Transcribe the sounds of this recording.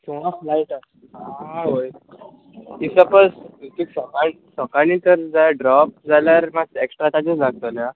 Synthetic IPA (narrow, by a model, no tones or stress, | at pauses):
tĩʋ̤aflajʈa | ɦaɦoj̪ | isəpəst̪iksɔkaɳ | sɔkañiːt̪əɾd͡zajaɖɾɔp̚d͡zaljaɾmaeksʈɾat̪ad͡ʑəslaɡ̚t̪alja